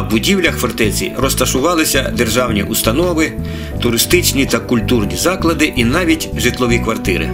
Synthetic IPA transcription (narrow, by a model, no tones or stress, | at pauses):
bʊdʲiwlʲɐxfɔrt̪ɛt͡sʲḭrɔst̪ɐʃʊʋɑlˠɪsʲɐd̪erʒɑwnʲḭʔust̪ɐnɔʋɪ | t̪ʊɾɪst̪ɪt͡ʃnʲit̪ɐkʊlʲt̪urnʲizɑklˠɐd̪ɪʔinɑʋʲitʲʒɪt̪lˠɔʋʲikʋɐrt̪ɪɾɪ̰